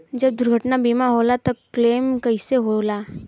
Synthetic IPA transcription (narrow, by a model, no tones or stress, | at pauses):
d͡ʒəb̚d̪ʊɾɡʱəʈnabimaɦolat̪ɔkleːmkəɪseɦola